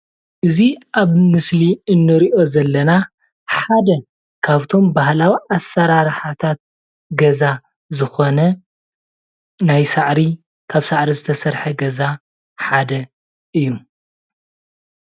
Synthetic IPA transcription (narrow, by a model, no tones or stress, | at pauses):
ʔɨziʔaβmɨsliɨnːɨɾiʔo̞zɐlːɐna | ħad̪ɐ | kʰaβt̪ʰo̞mbaɦlawiʔasːɐɾaɾħat̪ʰat̪̚ | ɡɐza | zɨxo̞nɐ | najsaʕɾi | kʰaβsaʕɾizɨt̪ʰɐsɐɾħɐɡɐza | ħad̪ɐ | ɨjːu